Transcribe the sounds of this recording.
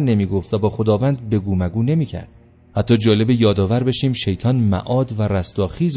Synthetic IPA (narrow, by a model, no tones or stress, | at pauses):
ne̞miːɡo̞ft̪væbɒːxo̞d̪ɒːvæːnd̪̚be̞ɡuːmæɡuːne̞miːcʰæ̰ɾd̪̥ | hæt̪ʰːɒːd͡ʒɒːle̞bejɒːd̪ɒːvæɾbe̞ʃiːmʃe̞jt̪ʰɒːnmæ̰ʔɒːd̪væræst̪ɒːxiːz